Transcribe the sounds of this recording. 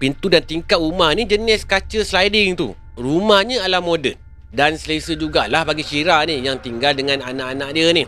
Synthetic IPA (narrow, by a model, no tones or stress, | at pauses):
pint̪udant̪iŋkat̪umahnid͡ʒənɪskat͡ʃəslajdɪŋt̪ṵ | rumahɲəalahmodə | dansəlesəd͡ʒuɡalahbaɡit͡ʃiɾanijaŋt̪iŋɡaldəŋãnanaʔanãʔ̚diənih